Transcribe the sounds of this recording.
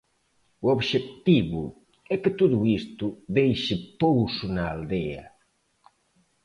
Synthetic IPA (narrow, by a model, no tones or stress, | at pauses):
uoβʃekt̪iβu | ɛkɪt̪uðuist̪uðejʃɪpowsʊnaald̪ɛɐ̰